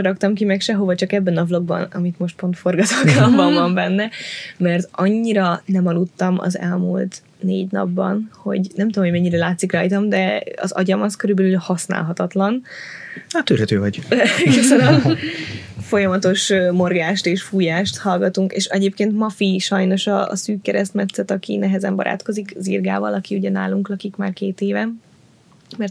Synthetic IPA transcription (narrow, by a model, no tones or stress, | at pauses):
ɾɒkt̪ɒmkimɛkʃɛɦo̞vɒt͡ʃɒkɛbːɛnɒvlo̞ɡbɒ̰nɒ̰mit̪mo̞ʃt̪̚po̞nt̪fo̞rɡɒt̪oɡambɒɱvɒɱbɛnːɛmɛrt̪ɒɲːiɾɒnɛmɒlut̪ːɒmɒ̰zɛ̰lmṵlt̪ | nḛːɟnɒ̰bːɒ̰nho̞̰ɟnɛmt̪uomhojmɛɲːiɾɛlaːt̪sikrɒjt̪ɒmd̪ɛɒ̰zɒ̰ɟɒmɒskøɾybɛlylhɒsna̰ːlɦɒt̪ɒt̪lɒn | at̪ːyɾɦɛt̪øːvɒɟɦisɛnɛ | fo̞jɒmɒt̪o̞ʃmo̞rɡaːʃt̪eːʃfuːjaːʃt̪hɒlɡɒt̪uŋkḛːʃɛɟeːpkeːnt̪mɒfiʃɒjno̞ʃɒ̰syːkːɛɾɛst̪mɛt̪sːɛt̪ɒkḭnɛɦɛzɛmbɒ̰ɾʔa̰ːt̪ko̞zikzirɡa̰ːvɒ̰lɒkiuɟɛnaːluŋklɒkikmaːrkeːt̪eːvɛm | mɛrt̪